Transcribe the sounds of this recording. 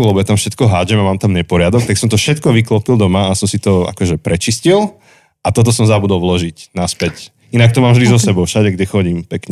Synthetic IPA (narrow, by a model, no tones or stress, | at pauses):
lɛbɔjat̪amfʃɛt̪kɔɦaːd͡ʒɛmamaːmt̪amɲɛpɔɾɪad̪ɔk̚t̪aksɔmt̪ɔfʃɛt̪kɔʋiklɔpild̪ɔmaasɔmsit̪ɔa̰kɔʒɛpɾɛt͡ʃiscil | ʔat̪ɔt̪̬ɔsɔmzabud̪ɔlʋlɔʒicnaspɛc | inak̚t̪ɔmaːmʒd̪izɔsɛbɔʊfʃaɟɛɡɟɛxɔɟimpɛkɲɛ